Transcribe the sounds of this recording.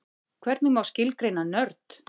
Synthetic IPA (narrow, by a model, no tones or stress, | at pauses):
kʰvɛɾt̪nɪmawscɪlkɾejnanœɾt̪